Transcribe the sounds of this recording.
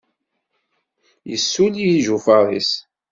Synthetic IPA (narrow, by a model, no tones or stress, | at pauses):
jə̰sːulijiʒufɑɾˤḭs